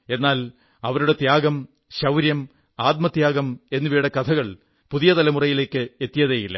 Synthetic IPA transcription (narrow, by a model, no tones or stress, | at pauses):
e̞nːaːl | ɐʋɐɾuɽe̞t̪jaːɡɐm | ɕɐwɾjɐm | aːt̪̚mɐt̪jaːɡɐme̞nːuʋiːɽɐkɐt̪ʰɐɣɐɭ | puðijɐt̪ɐlɐmurɐjile̞ːkːɨe̞t̪ːijɐðeːjilːɐ̰